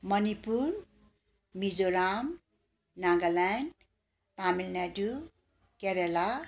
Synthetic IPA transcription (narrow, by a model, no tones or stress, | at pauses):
mʌnipuɾ | mid͡zoɾam | naŋɡalan | t̪amilnadu | keɾela